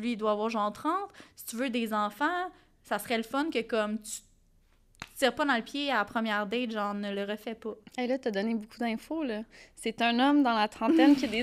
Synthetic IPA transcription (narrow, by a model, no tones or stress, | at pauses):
lɥiːd̪waːvwaːʁʒɑ̃ʁt̪χɑ̃t̪si̥t̪yvød̪ezɑ̃fɑ̃ | sasʁɛləfɔnkʲəkɔmt̪y̥ | tt͡siːʁpʌd̪ɑ̃ləpjeapχəmjɛːʁd̪ɛt̪ʒɑ̃ːʁnələʁəfɛpɔelʌt̪ɐd̪ɔnebokʰud̪ɛ̃folɔset̪œ̃nɔmd̪ɑ̃lat̪χɑ̃t̪ɛnkʲiəd̪e